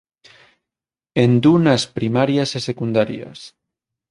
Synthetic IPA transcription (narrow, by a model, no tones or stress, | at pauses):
end̪unaspɾimaɾjasesekund̪aɾja̰s